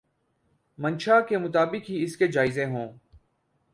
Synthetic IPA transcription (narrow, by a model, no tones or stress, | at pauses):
mɐ̃nʃakemʊt̪aːbɪkɦiɪsked͡ʒaːɪzẽɦõː